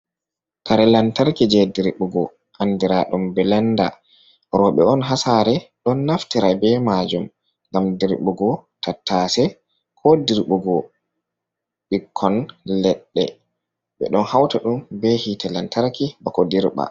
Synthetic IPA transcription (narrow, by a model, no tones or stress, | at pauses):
kaɾɛlantaɾkid͡ʒɛdiɾɓuɡɔ̰ | ʔandiɾaɗɔmbɛlɛnda̰ | ɾɔɓɛɔnɦasaɾɛɗɔnːaftiɾabɛmad͡ʒum | ŋɡamdiɾɓuɡɔtʰatːasɛ | kʰɔdiɾɓuɡɔ | ɓikʰːɔnlɛɗːɛ̰ | ɓɛ̰ɗɔnhawtaɗumbɛhitɛlantaɾkibakɔdiɾɓa̰